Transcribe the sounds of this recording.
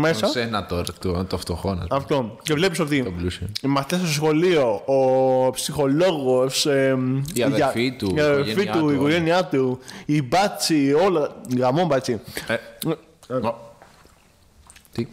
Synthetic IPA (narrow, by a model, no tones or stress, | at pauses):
messɐsenɐt̪oɾɐt̪ut̪oft̪oxonɐ̰ɐft̪ocevle̞piso̞t̪it̪oblusimɐstest̪oos̬xo̞lio̞ːpsixo̞loɣos | iɐðfit̪uiɐðelfit̪uikoʝeniɐt̪uibɐt͡siolɐɣamombɐt͡si | t̪i